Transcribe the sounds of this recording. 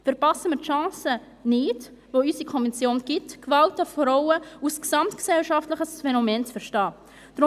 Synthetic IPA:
fəɾpɑsəmɪɾtʃɑ̃ːsə | nɪd | voysikʰɔnvɛnt͡sjoːnɡ̥ɪtkvɑltəfɾaʊəusksɑmtksɛlʃaftləχəsfɛnomɛːnt͡sfəɾʃtɑː | d̥ɾʊ

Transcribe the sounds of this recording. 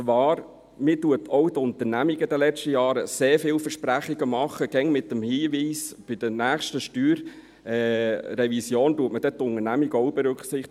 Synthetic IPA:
t͡sʋɑːɾ | mɪːtuətʰɔwdʊnt̪ənæmiɡəd̥̪əlɛt͡stəjɑːɾəseːɾfɪːlfəɾʃpɾæχiɡəmɑχːəɡ̥ɛŋmɪtːəmhiːviːsb̥ɪd̥ənæːχʃtəʃtyːɾ | ɛːɾɛvisjoːntuətməd̥ɛt̪ʊŋənæmiɡɔwbɛɾʉkχsɪχ

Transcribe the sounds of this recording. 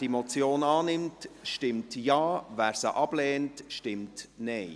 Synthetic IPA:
d̥imɔt͡sjoːnɑːnɪmtʃtɪmtjɑːvæːɾsəʔɑb̥lɛːntʃtɪmtnɛɪ

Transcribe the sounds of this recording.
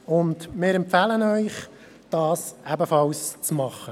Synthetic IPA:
ʊndmɪːɾɛmpfælənœʏχ | d̥ɑːsæbəfɑlst͡smɑχːə

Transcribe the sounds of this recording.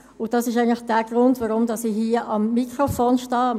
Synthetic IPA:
ʊd̥ɑsɪʃ̬æɪəŋ̩nlɪχd̥æːɡ̥ɾʊndʋaɾʊmd̥ɑsihiəʔɑmːikʁofoːnʃtɑː

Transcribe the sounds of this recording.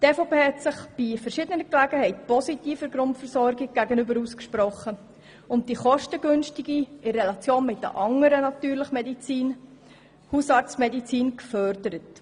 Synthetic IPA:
tefopeːhɛtsɪχb̥ɪfəɾʃɪdənəklæɡəhɛɪtpɔsitiːfəɾɡɾʊntfəɾsɔɾɡɪɡ̚ɡ̥æɡənʏbəɾuskʃpɾɔχːə | ʊnt̚d̥iχɔʃtəɡʏnʃtɪɡiɪrɛlɑt͡sjoːnmɪt̚də̰ʔɑŋəɾənɑtyːɾləχəmɛdit͡siːn | husɑɾt͡smɛdit͡siːnkfœɾdəɾət

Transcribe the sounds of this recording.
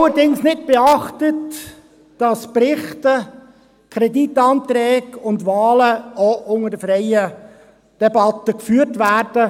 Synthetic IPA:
ləɾdɪŋsnɪt̚b̥eɑχtət | d̥ɑsprɪχtə | kʰɾɛditːɑːnt̪ɾɛːɡʊndvɑːləoʔʊŋədəfɾɛɪə | d̥ɛbɑtəkfyːɾtʋærd̥ə

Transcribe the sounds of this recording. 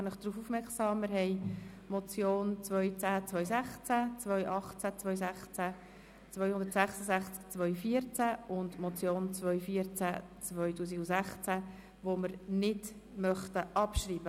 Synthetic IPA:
nəχd̥ɾuːfufmɛɾksɑːmːɪɾhɛɪ | mɔt͡sjoːnt͡sʋœʏt͡sæːt͡sʋœʏsæχt͡sæt͡sʋœjʔɑχt͡sæt͡svœʏjsæχt͡sæ | t͡svœʏhʊndəɾtsæχsəzæχt͡skt͡svœʏfiːəɾt͡sæʊndmɔt͡sjoːnt͡svœʏjfiːəɾt͡sæ̰ | t͡svœʏtuːsiɡʊsæχt͡sæ | ʋoməɾnɪd | mœχtəʔɑpʃriːb̥ə

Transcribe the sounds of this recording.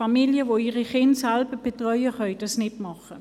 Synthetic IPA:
fɑmiljəvoiːʁiχɪntsɛlbəb̥etʁœʏəχœʏd̥ɑsnɪtmɑχə

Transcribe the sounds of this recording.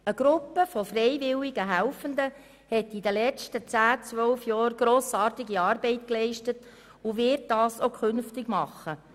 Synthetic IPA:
əɡ̥ɾʊpːəfɔfrɛɪvɪliɡəɦælfəndə | hɛtidəlɛt͡ʃtət͡sæːt͡sʋœlfjɑːɾɡ̥ɾoːsɑːrtɪɡiɑːɾbɛɪtklɛɪʃtət | ʊʋɪɾt̚d̥ɑːsokʰʏnftɪɡmɑχːə

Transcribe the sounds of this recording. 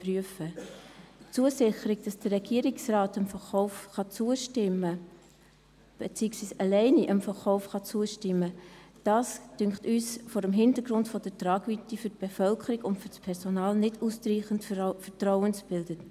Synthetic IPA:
pryəfə | t͡suəsɪχəɾɪɡ̚d̥ɑsd̥əːɛɡ̥iːəɾɪksraːtəmfəχɔʊfχɑt͡suəʃtɪmːə | b̥et͡siːəksʋiːsɑlɛɪniʔəmfəχɔʊfχɑt͡suəʃtɪmːəd̥ɑːsd̥ʏŋktyːsfɔːɾəmɦɪndəɾɡ̥ɾʊntfɔd̥ətrɑːɡ̥vytifʏt̚b̥efœlkʰəɾɪɡʊntfʏɾspʰɛɾsonɑːlnɪdustɾiːχəntfətrɔʊənsb̥ɪldət

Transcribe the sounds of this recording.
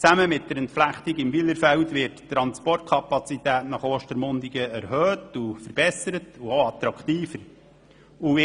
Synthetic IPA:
t͡sæməmɪt̚d̥əɾəntflæχtiɡɪmʋiləɾfɛltʋɪɾttɾɑnspɔrt̚kʰɑpɑt͡sitæːtnɑχoːʃtəɾmʊndiɡəæɾhøːtufəɾb̥ɛsəɾətuoɑt̪ɾɑkχtiːfəɾ | uɪ

